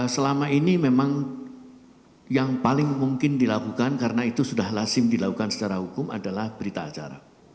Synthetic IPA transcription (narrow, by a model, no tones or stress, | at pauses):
səlamainimemaŋ | jaŋpalɪŋmuŋkɪndilakukankaɾənait̪usudahlasɪmdilakukansə̥t͡ʃaɾahukʊma̰dalahbəɾit̪aːt͡ʃa̰ɾa̰